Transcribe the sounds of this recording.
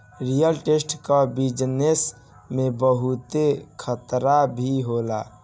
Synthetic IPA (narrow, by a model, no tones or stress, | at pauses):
ɾijəlʈesʈkabid͡ʒnes | mebəɦut̪ekʰət̪ɾabʱiɦola̰